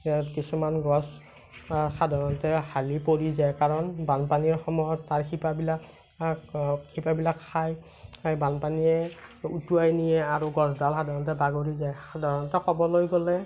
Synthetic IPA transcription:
kisumanɡɔs | xadʱaɹɔntɛhalipoɹizajkaɹɔnbanpaniɹxɔmɔjɔtːaɹxʰipabilak | kʰipabilakʰːaj | banpaniɛutuajnijɛaɹuɡɔsdalxadʱaɹɔntɛbaɡoɹizajsadʱaɹɔntɛxɔbɔlojɡɔlɛ

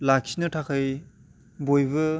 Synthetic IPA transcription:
lakʰinɯtʰakʰaj | bojbɯ

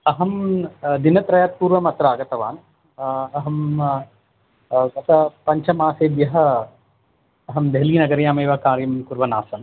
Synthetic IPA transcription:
ɐɦɐmd̪inɐt̪ɾɐjat̪̚puːɾʋɐmɐt̪ɾaːɡɐt̪ɐʋaːn | ɐɦɐm | k̪ɐt̪ʰɐpɐɲt͡ʃʰɐmaːseːd̪jɐɦɐ̆ | ɐɦɐmd̪eɦliːnɐɡɐɾjaːmeːʋɐkaːɾjɐmkuɾʋɐnaːsɐn

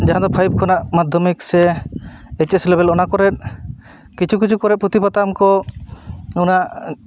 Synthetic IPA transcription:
d͡ʒaɦad̪ɔpʰajb̚kʰɔnaʔmad̪ʱːɔmiksɛ | ɛt͡ʃeslɛbɛlɔnakɔɾɛt̪̚ | kit͡ʃʰukit͡ʃʰukɔɾɛʔ̪̚pɾɔt̪ipat̪amkɔ | unaʔ

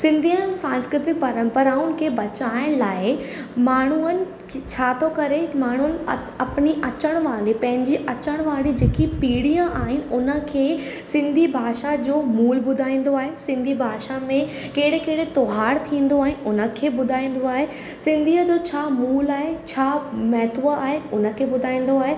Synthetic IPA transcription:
sɪ̃nd̪ʱiənɪ̆sãːnskɾɪt̪ɪk̚pɐɾə̃mpəɾaːʊnɪ̆kʰeːbɐt͡ɕaːɪɽ̃laːɪmaːɳ̤uənɪ̆ | t͡ɕʰaːt̪ʰokɐɾemaːɳ̤ʊənɪ̆ | ɐpniʔɐt͡ɕəɽ̃ʋaːlipɐ̃ɦɪ̃ɲd͡ʑiʔɐt͡ɕəɽ̃ʋaːlid͡ʑeːkipiːɽijãʔaːɦɪnɪ̆ʊnə̆kʰeː | sɪ̃nd̪ʱibʱaːʃad͡ʑoːmuːlbʊd̪ʱaːĩːn̆d̪oaːɦesɪ̃nd̪ʱibʱaːʃamẽ | keːɽekeːɽet̪oɦaːɾt̪ʰĩːn̆d̪oaːɦɪnɪʊnə̆kʰeːbʊd̪ʱaːĩːn̆d̪oaːɦe | sɪ̃nd̪ʱiːəd͡ʑoːt͡ɕʰaːmuːlaːɦet͡ɕʰaːmɛɦt̪ʰʋəaːɦeʊnə̆kʰeːbʊd̪ʱaːĩːn̆d̪oaːɦe

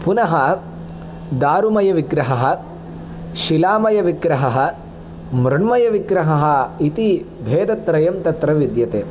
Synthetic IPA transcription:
punɐɦɐ | d̪aːɾumɐjɐʋiɡɾɐɦɐɦɐ̆ | ʃilaːmɐjɐʋiɡɾɐɦɐɦɐ̆ | mɾɐɳmɐjɐʋiɡɾɐɦɐɦɐ̆it̪i | bʱeːd̪ɐt̪ɾɐjɐmt̪ɐt̪ɾɐʋid̪jɐt̪eː

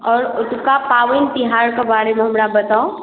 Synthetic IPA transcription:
ɔːɾʊt̪kapaːʋənt̪iɦaːɾkabaːɽemẽɦəmɾabət̪ao

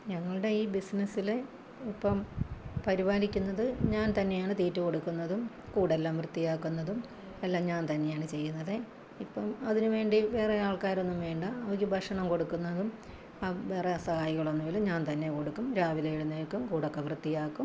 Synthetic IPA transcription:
ɲɐŋːɐɭɨɽe̞iːbisnɐsːile | ipːɐmpɐɾiʋaːlikʲːunːɐðɨɲaːnt̪ɐnːe̞jaːɳɨt̪iːtːɨko̞ɽukːunːɐðum | kuːɽelːaːmʋrɨt̪ːijaːkːunːɐðum | elːaːmɲaːnt̪ɐnːe̞jaːɳɨt͡ɕe̞jːunːɐðɨ | ipːɐmɐðinɨʋe̞ːɳɖiʋe̞ːreaːɭkaːɾonːumʋe̞ːɳɖɨɐʋɐkʲːɨbʱɐʂɐɳɐmko̞ɽukːunːɐðum | aːʋe̞ːreɐsɐhaːjiɣɐɭo̞nːuʋeːlɐɲaːnt̪ɐnːe̞ko̞ɽukːumɾaːʋilejiɽunːeːɭkːumkuːɽokːeʋrɨt̪ːijaːkːum

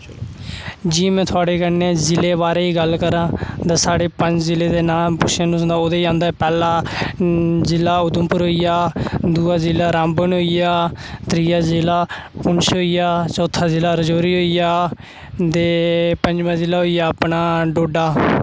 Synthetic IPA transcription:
d͡ʒiːmɛ̃ːt̪ʰʊaːɽeːkəneːzɪleːβaːɾeːiːɡəlkəɾãːt̪aːsaːɽeːpəɲd͡ʒzɪleːd̪eːnaːpʊʃãːnũːsə̃nd̪aːoːd̪eːiãːnd̪aːɛpɛːlaː | zɪlːaːʊd̪ʊmpʊɾɦoːijaːd̪uːaːzɪlːaːɾãːmbənɦoːijaːt̪ɾiːaːzɪlaːpʊnsɦoːijaːt͡ʃɔːt̪ʰːaːzɪlːaːɾəd͡ʒoːɾiːɦoːijaː | d̪eːpə̃ɲd͡ʒbãːzɪlːaːɦoːijaːpnaːɖoːɖaː

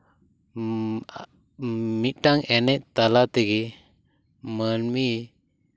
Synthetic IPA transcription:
mit̪̚ˀʈaŋɛnɛc̚t̪alat̪ɛɡi | mənmi

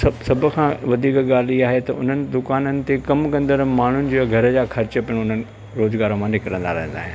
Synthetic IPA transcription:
ɐsɐbʱʊkʰãːʋɐd̪ʱiːkɠaːl̤iaːɦet̪ɐʊ̰n̤ənɪ̆d̪ʊkaːnənɪ̆t̪ekɐmkɐ̃nd̪əɾmaːɳ̤ʊnɪ̆d͡ʑoːɡʱɐɾəd͡ʑaːxɐɾt͡ɕə̆pɪɽ̃ʊn̤ənɪ̆ | ɾoːzɡaːɾõmãnɪkɾə̃nd̪aɾɐɦə̃nd̪a̰ːɦɪ̃n

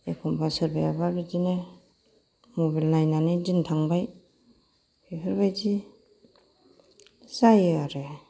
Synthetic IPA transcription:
ekʰɔmbasɯɾbajababizine | mobalnajnanezintʰaŋbaj | pʰipʰiɾbajzi | sajaɾe

